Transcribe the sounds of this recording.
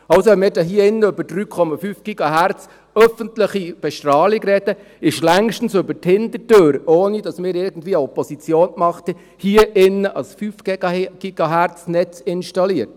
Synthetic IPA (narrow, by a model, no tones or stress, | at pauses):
ɑlsoʋɛnmɪːɾdɑɦiəɪnːəøbəɾdryːkʰɔmɑfyːfɡ̥iɡ̥ɑɦæɾt͡s | œfəntləχib̥ɛʃtɾɑːlikɾɛd̥ə | ɪʃlæŋʃtn̩sɵbəthɪnd̪ətøːɾoːnid̥ɑsmɪːɾɪɾɡ̥ən̩dviːəɔpːɔsit͡sjoːnmɑχtə | hiəʔɪnːəʔɑsfyfɡ̥ɛɡ̥ɑɡ̥iɡ̥ɑɦæɾt͡snɛt͡sɪnʃtɑliəɾt